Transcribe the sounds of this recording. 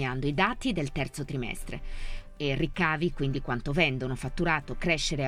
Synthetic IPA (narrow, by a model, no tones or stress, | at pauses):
and̪oid̪aːt̪id̪elt̪ɛrt̪sot̪ɾimɛ̰st̪ɾḛ | erːikːaːvikwind̪ikwant̪ovɛnd̪onofat̪ːuɾaːt̪okɾɛʃːeɾe